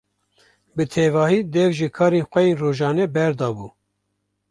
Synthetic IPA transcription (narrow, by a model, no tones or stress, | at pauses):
bɨt̪ʰeːvɑːhiːd̪ɛvʒɨkʰɑːɾeːnxʷɛjeːnroːʒɑːnɛbɛɾd̪ɑːbuː